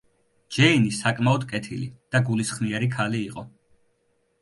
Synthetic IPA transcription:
d͡ʒɛinisakʼmaɔd̪kʼɛt̪ʰilḭd̪̥aɡulisχniɛɾikʰaliːqʼɔ

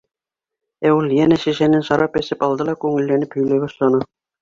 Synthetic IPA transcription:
æwulʲˠjænæɕæʃænɘnʃɑɾɑpæsɘpɑlˠd̪ɤ̆lˠɑkʉŋɘ̆lːænɘphɵ̆jlæβɑʃlˠɑnɤ

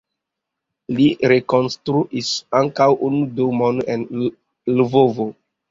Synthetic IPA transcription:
liɾekonstɾuʔisaŋkawʔunudumonen | luvovo

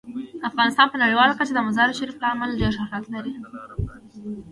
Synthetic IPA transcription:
afɣɑnɪst̪ɑnpənaɽiwɑlakat͡ʃad̪əmazɑɾɪʃaɾiflɑmald͡ʒaʃaɾɾat̪laɾi

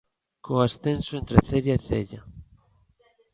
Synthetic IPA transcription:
koasθensoent̪ɾeθeʎaeθḛʎa

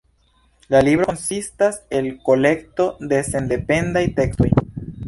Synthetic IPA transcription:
lalibɾo̞nsistase̞lko̞le̞kto̞de̞se̞nde̞pe̞ndajte̞ksto̞̰j

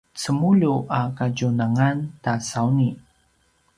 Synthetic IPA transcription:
t͡səmuʎuʔakaɟunaŋantasawni

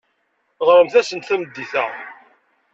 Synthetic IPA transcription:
ʁɾəmθæsənt̪θæməd̪ːiθæ̰

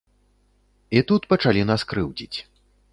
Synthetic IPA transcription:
it̪ut̪pɐt͡ʂalʲinaskɾɨwd͡zʲit͡sʲ

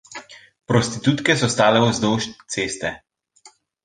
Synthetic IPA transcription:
pɾɔst̪it̪uːt̪kɛsɔst̪aːlɛuzd̪oːʃt̪t̪seːst̪ɛ

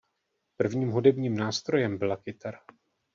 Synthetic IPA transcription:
pr̩vɲiːmɦudɛbɲiːmnaːst̪ɾo̞jɛmbɪlakɪt̪aɾ

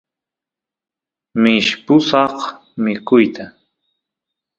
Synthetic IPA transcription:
mɪʃpʊsɑχ | mɪkʊjt̪ʰa

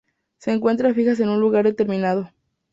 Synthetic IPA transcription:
se̞ːŋkwe̞nt̪ɾafixas̬e̞nunluɣaɾðe̞t̪e̞ɾmĩnað̞o̞

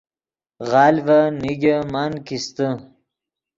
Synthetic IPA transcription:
ɣɑːlvaniɡamankist̪ə

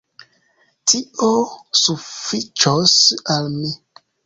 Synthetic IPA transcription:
tʰiosufit͡ʃosalmi

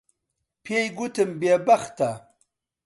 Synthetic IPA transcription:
pʰejɡut̪ʰəmbebaxt̪a

